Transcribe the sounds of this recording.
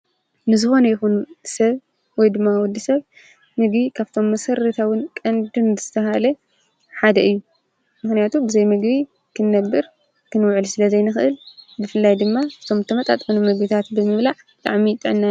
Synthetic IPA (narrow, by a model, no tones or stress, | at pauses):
nɨzɨxo̞nɐjɪxunsɐβ | wɔjd̪ɨmːawɔd̪ːisɐβ | mɨɡbikʰaβt̪ʰo̞mːɐsɐɾɐt̪ʰawɨnkʼɐnd̪ɨnzɨzɨt̪ʰɐɦalɐ | ħad̪ɐʔɨjːu | mɨxnijat̪ʰubɨzɐjmɨɡbi | kʰɨnːɐɡːɨɾ | kʰɨnwʕɨlsɨlɐzɐjnɨxɨʔɨlbɨfɨlːajd̪ɨmːabɨ̥t̪ʰo̞mzɨt̪ʰɐmɐt̪ʼa̰t̪ʼfnumɨɡbit̪ʰat̪bɨmɨβlaʕbt̪ʼaʕmit̪ʼɨʕnːa